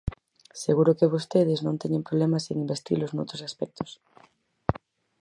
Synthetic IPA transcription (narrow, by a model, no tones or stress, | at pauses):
seɣuɾokeβ̞ost̪eð̞eznõnt̪eɲẽmpɾolemaseŋimbest̪ḭloznowt̪ɾosaspɛk̚t̪ʰo̥s